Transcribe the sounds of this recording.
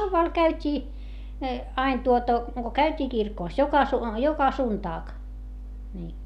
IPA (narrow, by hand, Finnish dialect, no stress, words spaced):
hɑuʋːɑˑl kæytʲiː ɑin tuotɑ ko kæytʲiː kirkoˑs jokɑ su jokɑ suntɑːk niː